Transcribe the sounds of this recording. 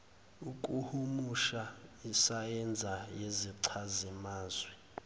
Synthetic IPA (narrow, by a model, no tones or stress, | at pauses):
ukʼuhumuʃaisajɛnd͡zʱajeziǀʰazimaːzwɛ